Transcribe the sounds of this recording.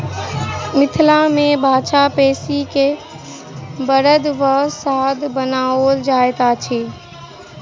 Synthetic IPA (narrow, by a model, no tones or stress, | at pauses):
mɪt̪ʰlamẽbʱaːt͡ʃapeːsike | bəɾəd̪ʋəsad̪bənaold͡ʒaːet̪at͡ʃʰi